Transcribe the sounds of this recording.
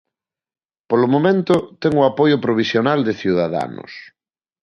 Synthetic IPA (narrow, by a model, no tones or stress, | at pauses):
polomõmẽnt̪ʊt̪ɛŋʊapojʊpɾoβ̞isjonald̪eθjuðaða̰nʊ̰s